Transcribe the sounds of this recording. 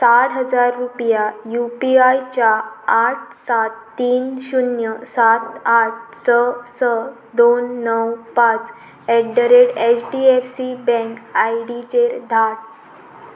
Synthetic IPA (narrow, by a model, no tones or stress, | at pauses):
sat̪ɦəd͡zaɾːupjajupiajt͡ɕaːʈ̚ʰsat̪ːiːnɕunjəsat̪aʈ̚ʰsəsə | d̪onːəwpãt͡s | ɛɖəɾeɽet͡ɕɖiefsibɛ̃ŋkajɽit͡ɕeɾd̪ʱaʈ̚